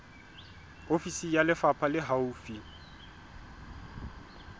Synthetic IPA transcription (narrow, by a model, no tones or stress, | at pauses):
ofisijalɪfapʰalɪɦauːfi